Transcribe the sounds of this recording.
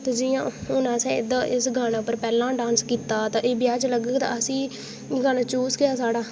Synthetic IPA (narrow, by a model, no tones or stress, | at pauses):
t̪eːd͡ʒɪjãːʊnãːsɛ̃ːɪd̪ãːʔɪsɡʱaːnaːpəɾpɛːlãːɖãːnskiːt̪aːt̪ãːʔeːbɪjaːt͡ʃləɡəɡt̪ã̰ːəsĩː | ɡʱaːnaːt͡ʃuːsɡɪaːsaːɽaː